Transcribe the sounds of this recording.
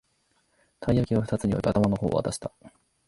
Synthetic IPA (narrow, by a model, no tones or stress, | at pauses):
t̪ʰaiakʲiβaɸɯ̟t̪at͡sɨɲ̟ijo̰ɾʲiat̪amano̞ho̞̰ːa̰t̪aɕi̥t̪a